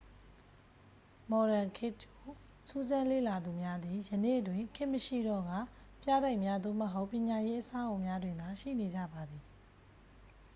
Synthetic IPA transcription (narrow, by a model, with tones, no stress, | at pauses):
mɔ˨ɾã˨kʰɪ˦˨to˨ | su˦zã˦lḛ˦˨la˨d̪u˨mja˦d̪i˨jənḛ˦˨twɪ̃˨ŋkʰɪ̃˦ʔməʃḭ˦˨dɔ˦˨ɡa̰˦˨ | pja˦˨ɾa˦ɪʔmja˦d̪o̰˦˨məɦo˦ʊpːjɪ̃˨ɲa˨je˦ʔəsã˦ʔõ˦˨ʊ̃mja˦dwɪ̃˨nd̪a˨ʃḭ˦˨ne˨d͡ʑa̰˦˨ba˨d̪i˨